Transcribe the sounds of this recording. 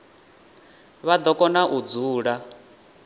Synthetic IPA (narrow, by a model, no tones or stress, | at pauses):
βad̪ɔkʼɔnaʔud͡zuːɺa